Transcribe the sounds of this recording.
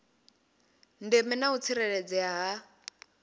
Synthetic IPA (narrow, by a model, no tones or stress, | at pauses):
ndemɛnaut͡sʰiɾɛɺed͡zɛaɦa